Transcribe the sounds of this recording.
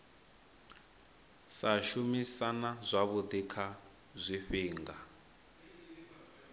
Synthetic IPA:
saʃumisanazʷaβud̪ikʰa | zʷifiːŋɡa

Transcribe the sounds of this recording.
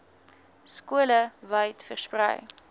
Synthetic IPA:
skuələvəjtfərsprə̰j

